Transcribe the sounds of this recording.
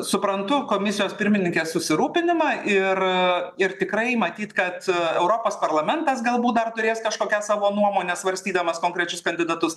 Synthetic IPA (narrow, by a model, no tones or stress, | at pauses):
sʊpɾɐnt̪ʊkoːmʲɪsʲɪjoːspʲɪɾʲmʲɪnʲɪŋkʲeːssʊsʲɪɾuːpʲɪnʲɪmɑːʔɪrɪrt̪ʲɪkɾɐɪmɐt̪ʲiːt̪kɐt̪ɛʊɾoːpoːspɐrlˠɐmʲɛnt̪ɐs̬ɡɐlˠbuːt̪̚d̪ɐrt̪ʊɾʲeːskɐʃkoːkʲæːsɑːʋoːnuɔmoːnʲɛsʋɐɾʲsʲt̪ʲiːd̪ɐmɐskoːŋkɾʲɛt͡ʃʲʊskɐnʲd̪ʲɪd̪ɐt̪ʊs